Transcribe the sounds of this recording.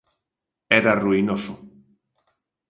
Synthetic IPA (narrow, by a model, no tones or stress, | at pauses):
eɾaruinosu